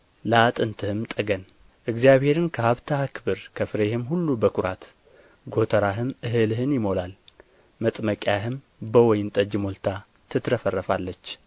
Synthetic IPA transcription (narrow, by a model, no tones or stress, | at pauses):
ləat̪ʼɨnt̪ʰɨhɨmt̪ʼəɡən | ʔɨɡzjaβhe̞ɾɨnkʰəhaβt̪ʰahɨkʰɨbɨɾkʰəfɨɾehɪmhulːubəkʰuɾat̪ | ɡo̞t̪ʰəɾaɦɨmʔɨɦɨlɦɨnjɪmo̞lal | mət̪ʼməkʼjaɦɨm | bəwɔjɪnt̪ʼəd͡ʒmolt̪ʰa | t̪ʰɨt̪ɾəfərːəfalːət͡ʃː